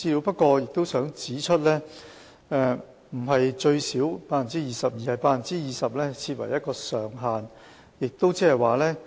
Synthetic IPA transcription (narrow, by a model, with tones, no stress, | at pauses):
iː˧luː˨˧˥wpɐ˥t̚kɔː˧jɪ˨k̚t̪o˥wsœː˨˥ŋt͡siː˨˥t͡ʃʰɵ˥t̚lɛː˥ | ɛ˧ | m̩˨˩ɦɐ˨jt͡ʃɵ˧ɥsiː˨˥wpaː˧fɐ˨˩nt͡siː˦˥jiː˨sɐ˨p̚jiː˨˧hɐ˨jpaː˧fɐ˨˩nt͡siː˥jiː˨sɐ˨p̚lɛː˥t͡sʰiː˧t̚wɐ̰˨˩jɐ˥t̚kɔː˧sœː˨˩ŋɦaː˨n | jɪ˨k̚t̪o˥wt͡sɛː˥hɐ˨jwaː˨˩lɛː˥